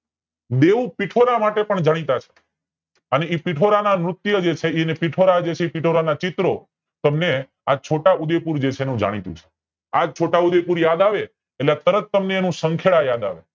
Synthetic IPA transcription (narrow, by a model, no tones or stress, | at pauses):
d̪eʋupiʈʰoɾamaʈepəɳd͡ʒaɽ̃it̪at͡ʃʰe̥ | əneipiʈʰoɾanamɾʊt̪jəd͡ʒet͡ʃʰeinepiʈʰoɾad͡ʒet͡ʃʰeipiʈʰoɾanat͡ʃit̪ɾo | t̪əmne | at͡ʃʰoʈaud̪epuɾd͡ʒet͡ʃʰeenũd͡ʒa̰ɽ̃it̪ṵ̃t͡ʃʰe̥ | ad͡ʒt͡ʃʰoʈaud̪epuɾjad̪aʋe | eʈleat̪əɾət̪ːəmneːnũsəŋkʰeɭajad̪a̰ʋḛ